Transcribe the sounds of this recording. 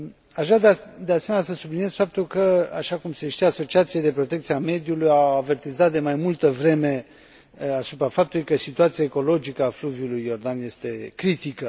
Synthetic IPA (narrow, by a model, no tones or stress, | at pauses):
aʒad̪d̪ease̞menʲasəsublinje̞zfap̚t̪ulkəaʃakumse̞ʃt̪ijaso̞t͡ʃiat̪sijed̪e̞pɾo̞t̪ekt̪siame̞d̪julujawave̞rt̪izat̪̚d̪e̞majmult̪əvɾe̞me̞ | asupɾafap̚t̪ulujkəsit̪uat̪sijaeko̞lo̞d͡ʒikəafluvjulujːo̞rd̪anje̞st̪e̞kɾit̪ikə